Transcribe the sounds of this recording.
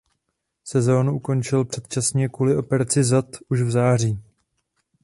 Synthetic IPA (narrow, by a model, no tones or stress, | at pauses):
sɛzo̞ːnuʔuko̞nt͡ʃɪlpr̝̥ɛt̪̚t͡ʃasɲɛkuːlɪʔo̞pɛɾat͡sɪzat̪ʔuʃvzaːr̝iː